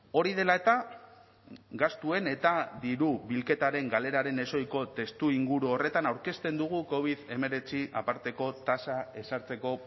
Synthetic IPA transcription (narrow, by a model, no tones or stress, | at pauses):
o̞ɾið̞e̞lae̞t̪a | ɡast̪ue̞ne̞t̪aðiɾuβilke̞t̪aɾe̞ŋɡale̞ɾaɾe̞ne̞so̞jko̞t̪e̞st̪uiŋɡuɾuo̞re̞t̪anawɾke̞st̪e̞nd̪uɣ̞uko̞β̞iðe̞me̞ɾe̞t͡siʔa̰paɾt̪e̞ko̞t̪asae̞saɾt͡se̞ko̞